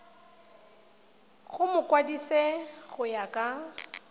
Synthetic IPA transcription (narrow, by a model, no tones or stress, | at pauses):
ɣʊmʊkʼwadisɛɣʊjakʼa